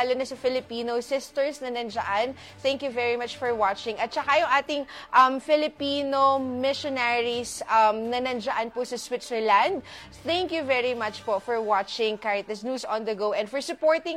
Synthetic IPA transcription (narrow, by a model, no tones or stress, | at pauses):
alonɐsɐfɪlɪpiːnosɪst̪ɛɹsnɐnɐnd͡ʒɐʔan | θɛ̃ŋkjuvɛɹimɐt͡ʃfɔɹwat͡ʃɪ̃ŋɐt̪̚t͡ʃɐkajʊŋʔaːt̪ɪŋʔɐmfɪlɪpiːnomɪʃonaɹisɐmnɐnɐnd͡ʒɐʔɐnpʊsɐswɪt̪sɛɹland̪̚ | θɛŋkjuvɛɹimɐt͡ʃpofɔɹwat͡ʃɪŋkaɹɐk̚t̪ɐsnjuːsɔ̃nd̪ɐɡoʔɛ̃nd̪fɔɹsʊpoɹt̪ɪ̃ŋ